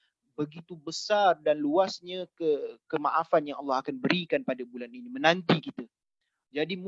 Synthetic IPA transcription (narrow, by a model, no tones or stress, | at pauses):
bəɡit̪ubəsardanluasɲə̃kəkəmaʔafanjaŋɑlːɑhakanbəɾikanpadabulaninimə̃nant̪ikit̪ə | d͡ʒadim